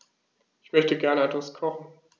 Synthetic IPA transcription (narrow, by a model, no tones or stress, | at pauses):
ʔɪçmœçtəɡɛɐnəɛtv̥askʰɔχn̩